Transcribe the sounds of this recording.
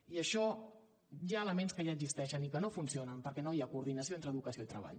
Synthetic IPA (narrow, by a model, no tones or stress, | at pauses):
iəʃɔ | ʒaələmenskəʒaəɡzist̪ɛʃənikənofunsionəmpəɾkɛnojakuːɾðinəsioent̪ɾəðukəsioit̪ɾə̰β̞a̰ʎ